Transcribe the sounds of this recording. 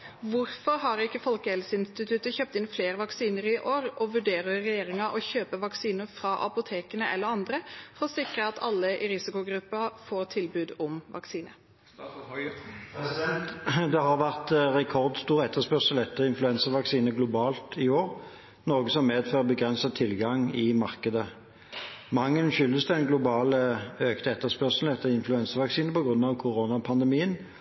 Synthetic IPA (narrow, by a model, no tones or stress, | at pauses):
ʋʊɾfɔɾɦɑɾɪkːəfɔlkəɛlsəɪnst̪ɪt̪ʰʉt̪əçøːp̚t̪ɪnfleːɾəʋɑksiːnəɾɪʔoːɾɔʋʉɖeːɾəːɛjeːʁɪŋɑʔɔçøːpəʋɑksiːnəɾfɾɑʔɑ̰pʊt̪ʰeːkənəʔɛ̰lːəɾɑnd̪ɾəfɔʁɔsɪkɾəɑt̪ʰɑlːəʔɪɾɪsɪkʊɡɾʉpːɑfoːʁt̪ʰɪlbʉːd̪ɔmʋɑ̰ksiːnə̰ | d̪ɛɦɑʁʋæʁt̪ʁɛkʰɔʁd̪st̪uːʁɛt̪ːəʁspœʁsəlɛt̪ːəʁɪnflʉɛnsəʁʋɑksiːnəɡlʊbɑːlt̪ɪoːʁ | nɔʁɡəsɔmmeːd̪føːʁəbəɡʁɛnsət̪ʰɪlɡɑŋɪmɑʁkəd̪ə | mɑŋːənʃʏld̪əsd̪ɛnɡlʊbɑːləøːkt̪əɛt̪ːəspœʁsl̩ɛt̪ːəʁɪnflʉɛnsəʋɑksiːnəpɔɡʁʉnːɑʋkʰʊʁoːnɑpʰɑnd̪ɛmiːən